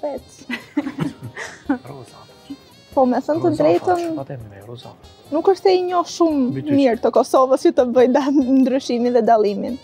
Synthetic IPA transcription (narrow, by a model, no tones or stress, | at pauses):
pɛt͡s | pɔmɛθənt̪əd̪ɾɛjt̪ən | nukəʃt̪ɛiɲɔʃumːiɾt̪əkɔsɔvəsjut̪əbəjd̪and̪ɾyʃiminðɛd̪alˠimin